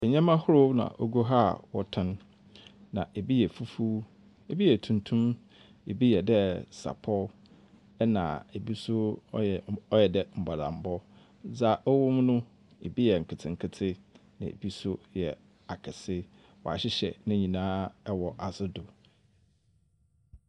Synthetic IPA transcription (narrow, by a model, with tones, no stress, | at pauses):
ɛ˨ɲã˦mã˦hʊ˦ɾʊ˦nã̰˨ʔo˦ɡo˦ɦa˦˨wɔ˨tʰɪ̃˦n | nã̰˨ʔe˨bi˦jɛ˨fu˦fuː˦ | e˨bi˦jɛ˨tʰũ˨ntʰũ˦m | e˨bi˦jɛ˨dɛ˦sa̰˨pʰɔ˦ | ɛ˦nã̰˨e˨bi˦sʊ˦ | ɔ˦jɛ˨dɛ˨m̩˨ba˨lã̰˨m̩˨bɔ˦ | d͡za˦ʔɔ˦wʊ˦mnʊ̃˦ | ḛ˨bi˦jɛ˨ŋ̩˨kʰɪ˨tʰɪ̃˨ŋ̩˨kʰɪ˦tʰɪ˦nɪ̰̃˨ḛ˨bi˦sʊ˦jɛ̰˨ | a˨kʰɪ˨sɪ˦ | wɔ̰˨a̰˨ɕɪ˦ɕɛ˨nɪ̃˦ɲĩ˨nãː˦ɛ˦wɔ˨ʔa˨sɪ˦dʊ˨